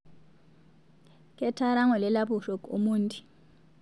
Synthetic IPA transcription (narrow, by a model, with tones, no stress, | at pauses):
kʰʼɛ˦tʰa˦ɾa˦ŋɔ˨lɛ˦la˦ɓu˨ɬɔ˨kʼṵ˦muːntʼi̥˨